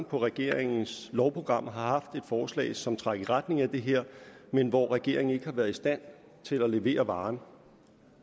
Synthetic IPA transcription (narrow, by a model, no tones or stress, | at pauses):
npʰɒ̽ʁɛɡ̥e̝ɐ̰eŋn̩slɒʊpʰʁo̝ɡ̥ʁɑ̈m̰ɦɑ̈hɑ̈fd̥e̝d̥fɒːslɛ̰ːɪsɒ̽mt͡sʰʁɑɡ̥iʁad̥ne̝ŋæd̥e̝ɦeɐ̰menʋɒʁɛɡ̥e̝ɐ̰e̝ŋn̩e̝ɡ̥əhɑ̈ʋæːɐðˠisd̥æn̰ | t͡sʰe̝læle̝ʋe̝̰ːɐʋɑ̈ːn